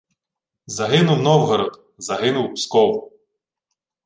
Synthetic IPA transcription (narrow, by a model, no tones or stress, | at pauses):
zɐɦɪnʊwnɔwɦɔɾɔd̪ | zɐɦɪnʊwpskɔw